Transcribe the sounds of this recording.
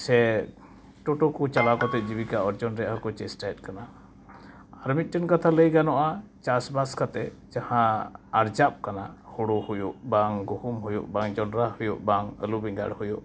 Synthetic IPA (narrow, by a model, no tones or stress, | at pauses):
sɛ | ʈɔʈɔkut͡ʃalakɔt̪ɛd͡ʒibikaɔɾd͡ʒɔnɾɛaɦəkɔt͡ʃɛsʈaɛt̚kana | aɾmit̪̚ʈɛnkat̪ʰaləjɡanɔʔat͡ʃasbaskat̪ɛd͡ʒahãːɾd͡ʒap̚kanahuɽuhujuʔbaŋɡuhumɦujṵʔbaŋd͡ʒɔnɾahujṵʔbaŋə̰lubiŋɡa̰ɽhujuʔ